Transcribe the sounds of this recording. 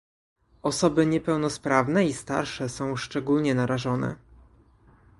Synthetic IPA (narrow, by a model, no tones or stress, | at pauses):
ɔsɔbɘɲɛpɛwnɔspɾavnɛist̪a̰ɾʂɛsɔ̃w̃ʂt͡ʂɛɡulɲɛnaɾaʐɔnɛ̰